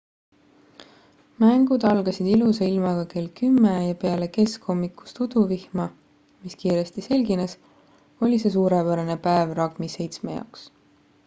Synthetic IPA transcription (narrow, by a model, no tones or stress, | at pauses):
mæŋɡ̥ud̪̥ɑlɡ̥ɑsid̪iluseilmɑɡ̥ɑke̞lkymːejɑpe̞ɑle̞ke̞sko̞mːikːˑu̥st̪ud̪̥uvihmɑ | miskiːɾe̞st̪ise̞lɡines | o̞lʲis̬e̞s̬uːɾepæɾɑne̞pæevrɑɡmise̞jt̪smejɑ̰wks